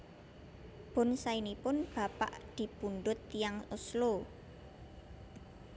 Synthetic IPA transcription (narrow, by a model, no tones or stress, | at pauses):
b̥ʊ̤nsainipʊnb̥ä̤pa̰ʔd̪̥i̤punɖʊt̪ːijaŋʊslo